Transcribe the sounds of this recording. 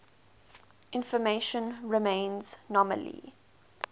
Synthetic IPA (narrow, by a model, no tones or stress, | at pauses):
ʔɪ̃nfəmeʃə̃nɹɪmẽɪ̃nz̥nɔmə̰lḭ